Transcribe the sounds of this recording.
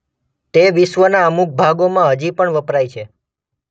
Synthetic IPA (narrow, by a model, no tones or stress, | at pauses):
t̪eʋɪʃʋənaəmuk̚bʱaɡomãɦəd͡ʒipəɳʋəpɾajt͡ʃʰe